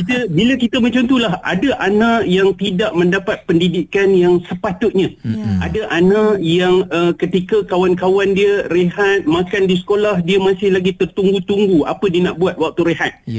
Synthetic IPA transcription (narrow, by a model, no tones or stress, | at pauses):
kit̪əbiləkit̪əməɲt͡ʃant̪ulaɦa̰daʔanãʔjaŋt̪idaʔmə̃ndapat̪̚pəndidikanjaŋsəpat̪ʊt̪̚ɲãʔa̰daʔanãjaŋəkət̪ikakawankawandiəreɦat̪̚makandisə̥kolahdiəmãsɪhlaɡit̪ərt̪uŋɡut̪uŋɡua̰pədiənaʔbuat̪̚wak̚t̪uɾeɦat̪̚